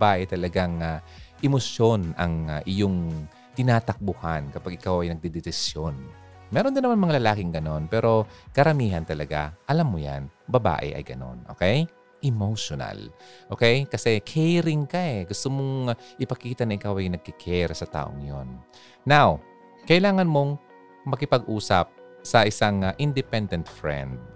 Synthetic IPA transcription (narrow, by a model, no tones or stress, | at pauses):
baːʔɛt̪ɐlɐɡaŋaʔɪmosjonɐŋaʔɪjoŋ | t̪ɪnaːt̪ɐk̚bʊhankɐpaɡʔɪkawʔɐjnɐɡ̚d̪ɛd̪ɛsɪsjon | mɛːɾond̪ɪnːɐmanmɐŋalɐlaːkɪŋɡɐno̞npɛːɾo̞kɐɾɐmiːɦɐnt̪ɐlɐɡa̰ʔɐlamːoja̰nbɐba̰ːʔɛ̰ʔɐ̰jɡɐno̞̰nʔo̰ːkɛj | ʔɛmowʃona̰lʔoːkɛjkɐsɛkʰɛjɾɪŋkɐʔɛɡʊst̪omoŋʔɪpɐkiːt̪ɐnɐʔɪkawʔɐjnɐɡ̚kɪkʰɛɾsɐt̪a̰ːʔo̰ŋjonː | aw | kɐʔɪlaːŋɐnmo̞ŋ | mɐkɪpɐɡʔuːsɐp̚ | sɐʔɪsaŋʔɪnd̪ɪpɛnd̪ɛnt̪fɹɛ̰nd̪̚